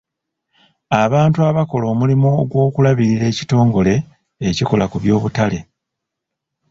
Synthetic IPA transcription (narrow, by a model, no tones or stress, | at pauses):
aβaːntuaβako̞lo̞ːmulimoːɡwo̞ːkulaβiɾiɾe̞ːci̥to̞ːŋɡo̞le̞ː | ciko̞lakuβjo̞ːβutale̞